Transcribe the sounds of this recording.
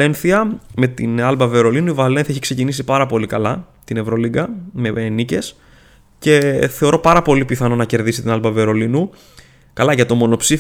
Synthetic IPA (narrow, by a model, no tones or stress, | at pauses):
enθiɐme̞t̪inɐlbɐve̞ɾo̞linuivɐle̞nθiɐçi̥kse̞cinisipɐɾɐpo̞likɐlɐ | t̪ine̞vɾo̞liɡɐme̞nice̞s | ce̞θe̞o̞ɾo̞pɐɾɐpo̞lipiθɐno̞nɐce̞ɾðisi̥t̪inɐlbɐveɾo̞linu | kɐlɐʝɐt̪o̞mo̞no̞psi